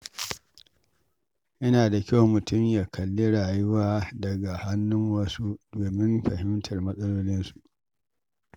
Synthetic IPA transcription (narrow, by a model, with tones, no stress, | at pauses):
ʔɪ˦naː˨da˨kʲa˦wmʊ˨tʊ˦mjaː˨kʰɐ˨lːi˦ɽaː˨ju˦waː˦dɐ˨ɡa˨ha˦nːʊ˦ŋwɐ˦su˦doː˨mɪ˦mɸɐ˨hɪ˦mtʰɐ˨rmɐ˦sʼɐ˦loː˦lɪ˦nsu̥˨ʔ